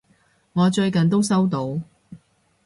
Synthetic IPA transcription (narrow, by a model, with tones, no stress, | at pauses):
ŋɔː˨˧t͡ʃɵ˧ɥkɐ˨nt̪̬o˥wsɐ˥wt̪o˧w